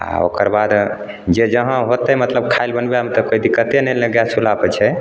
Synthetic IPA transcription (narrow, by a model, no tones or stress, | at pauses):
a̰o̰kəɾbad̪ | d͡ʒed͡ʒəɦãɦot̪əmət̪ləb̚kʰaelbənbeɦəmt̪əkoid̪ikːət̪enɛləɡjasʰulapət͡ʃʰɛ